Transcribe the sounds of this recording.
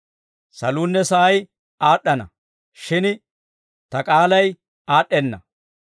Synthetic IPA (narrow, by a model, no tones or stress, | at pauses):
sɐluːnːɛsɐʔɐj | aːɗːɐnɐ̰ | ʃɪn | t̪ɐkʼaːlɐj | aːɗːɛnːɐ